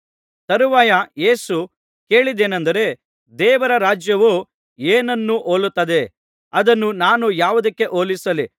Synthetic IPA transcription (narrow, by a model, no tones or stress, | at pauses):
t̪ɐɾuʋaːjɐje̞ːsu | ke̞ːɭid̪eːnɐnd̪ɐɾe̞ | d̪ɛːʋɐɾɐɾaːd͡ʒjɐʋu | eːnɐnːuʔoːlut̪ːɐd̪e̞ | ɐd̪ɐnːunaːnujaːʋud̪ɐkːe̞ʔoːlisɐli